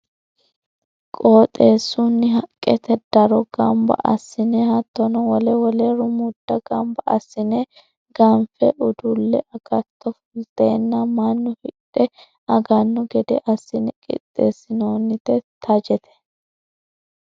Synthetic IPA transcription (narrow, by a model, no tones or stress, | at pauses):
kʼoːt̪ʼe̞ːsːunːɪɦɐkʼːɛt̪ɛd̪̥ɐɾɔɡɐmbɐ̰ʔɐsːɪnehɐt̪ːɔnɔwɔlɛwɔleɾʊmʊd̪̥ːɐɡɐmbɐɐ̰sːɪne | ɡɐmfɛʔʊd̪ʊlːɛɐɡ̥ɐt̪ːɔfʊlt̪eːnːɐmɐnːʊhɪᶑɛ | ɐɡɐnːɔɡɛd̪ɛʔɐsːɪnɛkʼɪ̰t̪ʼːeːsːɪnoːnːɪt̪ɛt̪ʰɐd͡ʒɛt̪ɛ̥